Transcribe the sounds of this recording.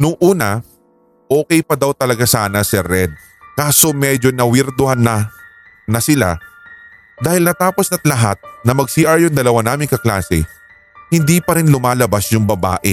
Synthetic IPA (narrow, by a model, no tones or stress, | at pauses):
nʊŋʔuːnɐ | ʔoːkɛjpɐd̪awt̪ɐlɐɡasaːnɐsɛɾɛd̪̚ | kaːso̞mɛd͡ʒonɐwɪɾt̪ʊhanːɐ | nɐsɪla̰ | d̪aːhɪlnɐt̪aːposnɐt̪̚lɐɦa̰t̪̚nɐmɐɡ̚siʔaɹjʊŋd̪ɐlɐwanaːmɪŋkɐkla̰ːsɛ̰ | hɪnd̪iːpɐɾɪnlʊmaːlɐbasjʊŋbɐba̰ːʔɛ